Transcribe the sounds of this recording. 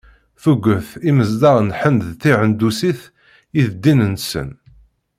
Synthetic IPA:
θuɡʷəθiməzd̪ɑʁnħənðθiʕənd̪usiθ | iθd̪ːinənsə̰n

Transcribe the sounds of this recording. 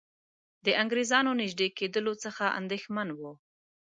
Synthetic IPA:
d̪əʔaŋɡɾezɑnonɪʒd̪eked̪əlot͡səxaʔa̰nd̪exmanwu

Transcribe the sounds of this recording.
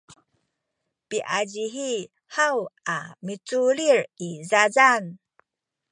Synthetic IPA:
piʔad͡ʑiɦi | hawamit͡suɭirizazan

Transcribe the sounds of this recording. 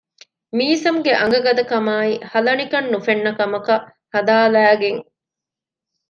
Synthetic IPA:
miːsɐmɡeʔɐŋɡɐɡɐd̪ɐkɐmaːihɐlɐnikɐnːufenːɐkɐmɐkɐ | hɐd̪aːlæːɡeŋ

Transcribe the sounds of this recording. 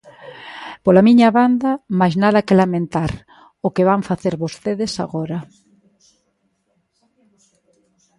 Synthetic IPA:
polamiɲaβand̪amajznaðɐkelamẽnt̪aɾ | okeβaɱfaθeɾβost̪eðesa̰ɣoɾa

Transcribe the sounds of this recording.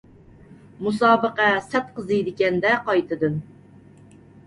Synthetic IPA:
musɑːbəqæsɛt̪̚qəzɨjd̪ɪkʲɛnd̪ɛqɑjt̪ʰɨd̪ɨn

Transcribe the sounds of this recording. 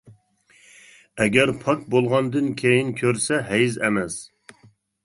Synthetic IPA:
ɛɡʲɛɾpʰɑkbolˠʁɑnd̪ɨnkʲʰejinkʲʰøɾsɛɦɛjzɛmɛs

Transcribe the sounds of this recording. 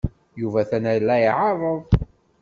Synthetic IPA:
juvæθænæjlːæjʕɑðˤəðˤ

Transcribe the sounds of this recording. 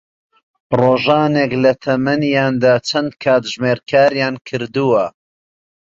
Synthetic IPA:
roːʒaːneklɐt̪ʰɐmɐnjaːnd̪aːt͡ʃʰɐnd̪kʰaːt̪ʒmeːɾkʰaːɾjaːnkʰɨɾd̪uwɐ

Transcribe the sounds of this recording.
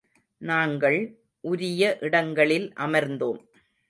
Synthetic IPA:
naːŋɡɐɭ | ʔʊɾɪjɐʔɪɽɐŋɡɐɭɪlʔɐmɐɾnd̪oːm

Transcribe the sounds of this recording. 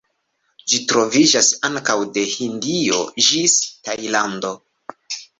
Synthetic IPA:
d͡ʒitɾo̞vid͡ʒasaŋkawde̞hindio̞̰d͡ʒistajlando̞

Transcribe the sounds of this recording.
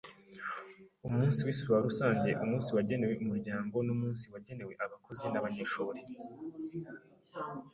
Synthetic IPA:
umuːnsiwisiβwaɾusaːɲɟe̞ʔumuːnsiwaɟe̞ne̞we̞umuɾɟaːŋɡo̞numuːnsiwaɟe̞ne̞we̞ʔaβako̞ze̞naβaɲeʃuːɾe

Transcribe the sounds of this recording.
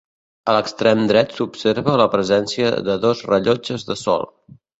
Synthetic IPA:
ələkst̪ɾɛmd̪ɾɛt̪supseɾβələpɾəzɛnsiə̰ðəðɔzrəʎɔd͡ʒəzðəsɔ̰lˠ

